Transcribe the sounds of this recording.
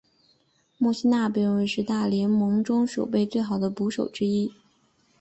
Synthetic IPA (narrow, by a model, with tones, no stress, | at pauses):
mu˥˩ɕi˥na˥˩pe˨˥˩wə˧˥nʂɻ̩˥˧t̪a˥˩ljɛ˧˥nmɤ˧˥ŋʈ͡ʂʊ˥ŋʂo˨˩ʊpe˥˧ɪt͡swe˥˩ɪxɑ˨˩ʊd̪ə˦pu˧˥ʂo˨˩ʊʈ͡ʂɻ̩˥i˥